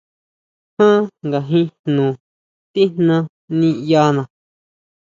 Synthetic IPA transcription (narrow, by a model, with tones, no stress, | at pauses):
hã˦ŋɡa˨ɦĩ˦hnũː˨ | t̪i˦n̥nã˧ | nĩ˧ja˧nã˨